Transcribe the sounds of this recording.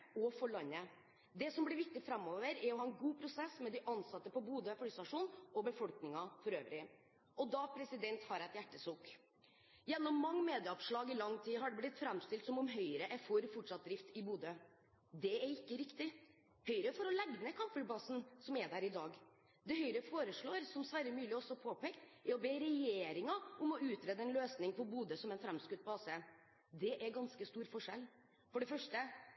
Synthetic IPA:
ɔfɔɭɑnːə | d̪ɛsɔmblɪɾʋɪk̚t̪ɪfɾɛmːoːʋəɾɛɾɔhɑːɛnɡuːpʰɾʊsɛsːmɛd̪ɪʔɑnsɑt̪ːəpɔbuːd̪əflːst̪ɑʂuːnɔbəfɔlknɪŋɑfɔɾøːʋɾɪ | ʔɔd̪ɑpʰɾɛsɪd̪ɛnt̪hɑɾɛt̪jæʈːəsuːk | jɛnːɔmːɑŋːmeːd̪ɪəɔpʂɭɑːɡɪlɑŋːt̪ʰiːɦɑɖɛblɪt̪fɾɛmst̪ɪlt̪sɔmɔmɦœʏɾəʔɛfɔɾfɔʈʂɑt̪̚d̪ɾɪft̪ɪbuːd̪ə | d̪ɛæɾɪkːəɾɪkt̪ɪ | hœʏɾəfɔɾɔlɛɡnəkʰɑmfʉbɑsn̩sɔmɛɖ̪æɾɪd̪ɑːɡ | d̪ɛhœʏɾəfoːɾəʂɭoːɾsɔmsʋæːɾəmʉːlɪɔsɔpʰoːpɛkt̪ɛɾɔbeːɾɛjeːɾɪŋɑʔʊmɔʉːt̪ɾeːd̪əɛnløːsnɪŋpɔbuːd̪əsɔmɛnfɾɛmskʉt̪̚ːpɔɑːse | d̪ɛʔæɾɡɑnskəst̪uːɾfɔʂɛl | fɔɖɛfœʂʈə

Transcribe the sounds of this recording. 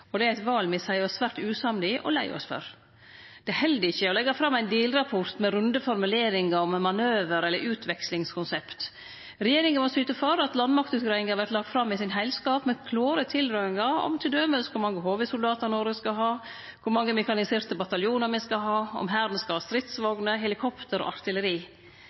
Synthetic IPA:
ɔd̪ɛæɪt̪ʋɑːlmɛsæɪɔsʋæːɾʈ̪ʉːsɑmlɪʔɔ̰læɪɔ̰sfœ̰ɾ | d̪̥ɛhɛld̪əɪçːəɔlɛɡːɑfɾɑmːæɪnd̪iːlɾɑpʰɔɾt̪mɛɾʉnd̪əfɔɾmʉleːɾɪŋɑɔmmɑnøːʋəɾɛlːəɾʔʉːt̪ʰʋɛkslɪŋskʰʊnsɛpt̪ | ɾɛjeːɾɪŋənmɔsyːt̪əføɾɑt̪lɑnmɑk̚t̪ʉːt̪ɡɾɑɪŋhɑɾʋæɾt̪lɑɡ̚t̪fɾɑmːɪsɪnɦæɪlskɑːpmɛkʰloːɾət̪ʰɪlɾœɪŋɑɔ̰mt̪ʰɪld̪øːməlskʰʊɾmɑŋːəɦoːʋəsʊld̪ɑːt̪ɑɾnɔːɾəskɑɦɑː | kʰʊɾmɑŋːəmɛkɑnɪseːɾt̪əbɑt̪ɑljuːnəɾmɛskɑɦɑːɔ̰mɦæːɾd̪nəskɑɑːst̪ɾɪt̪sʋɔɡnəɦɛlɪkʰɔpt̪əɾɔ̰ːʔɑɾt̪ɪləɾiː

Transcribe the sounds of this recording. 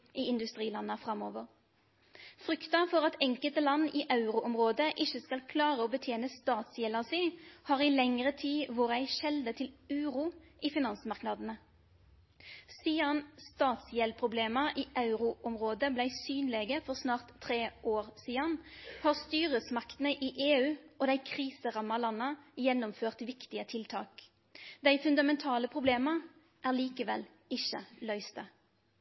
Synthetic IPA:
ʔiːɪnd̪ʉst̪ʁiːlɑnːəfʁɑmoːʋəʁ | fʁʏkt̪ɑfɔʁɑt̪ɛŋkəlt̪əlɑnːiːʔɑʉʁʊʔɔmʁoːd̪əʔɪçəskɑlkʰlɑːʁəoːbət̪ʰjeːnəst̪ɑːt̪sjɛlɑsɪhɑːʁɪlɛŋʁət̪ʰiːʋoːʁəæɪʃɛld̪ət̪ʰɪlʉːʁuːʔiːfɪnɑnsmɑʁknɑd̪ənə | siːɑnst̪ɑːt̪sjɛlpʰʁʊbleːməʔiːʔɑʉʁʊʔɔmʁoːd̪əblæɪsyːnleːɡəfɔʁsnɑːʁt̪ʰːʁeːʔoːʁsiːɑnhɑːʁst̪yːʁəsmɑkt̪ən̩əʔiːʔeːʉːɔːd̪æɪkʰʁiːsəʁɑmːɑlɑnəjɛnːɔmføːʁt̪ʋɪkt̪ɪət̪ʰɪlt̪ʰɑ̰ːk | d̪æɪfʉnd̪ɑmɛnt̪ʰɑːləpʰʁʊbleːmə | ʔæːʁliːkəʋɛ̰l | ɪçəlœʏst̪ə

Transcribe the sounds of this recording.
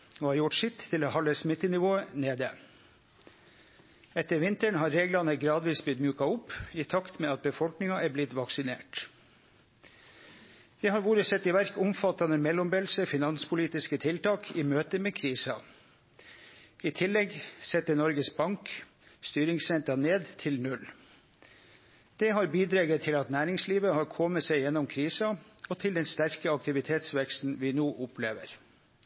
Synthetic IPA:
oːhɑɾjʊʈʂɪt̪ʰːɪloːhɑlːəsmɪt̪ːənɪʋoːəneːd̪ə | ɛt̪əɾʋɪnt̪əɳhɑɾːeːɡlɑnəɡɾɑːd̪ʋiːsblɪt̪mjʉːkɑʊpɪt̪ʰɑkt̪meːɑt̪̚bəfɔlknɪŋɑæːblɪt̪ʋɑksɪnḛːʈ | d̪̥ɛːhɑɾʋuːɾəsɛt̪ːiːʋæɾkʊmfɑt̪ɑnəmɛlːɔmbeːlsəfɪnɑnspʰʊliːt̪ɪskət̪ʰɪlt̪ɑːkʰiːmøːt̪əmeːkʰɾiːsɑ | it̪ʰɪlːɛɡsɛt̪ːənɔɾɡəsbɑŋk | st̪yːɾɪŋsɛnt̪əneːd̪t̪ʰɪlnʉl | d̪̥ɛhɑɾbiːd̪ɾɑːɡət̪ʰɪlɑt̪næːɾɪŋsliːʋəhɑːɾkʰɔməsɛɪjɛnɔmkʰɾiːsɑɔt̪ʰɪld̪ɛnst̪æɾkəɑk̚t̪ɪʋɪt̪ʰeːt̪sʋɛkst̪n̩ʋiːnoːʔʊpʰlḛːʋə̰ɾ

